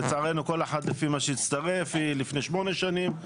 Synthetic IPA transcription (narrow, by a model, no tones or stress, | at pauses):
et͡sʕaʁenuko̞leħad̪lefimaʃejit͡st̪aʁefilifneʃmo̞neʃanim